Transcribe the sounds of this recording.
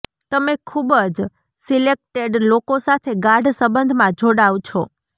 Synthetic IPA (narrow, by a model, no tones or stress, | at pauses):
t̪əmekʰubəd͡ʒ | silek̚ʈeɖlokosat̪ʰeɡaɾɖsəbənd̪ʱmãd͡ʒʱoɽaʋt͡ʃʰɔ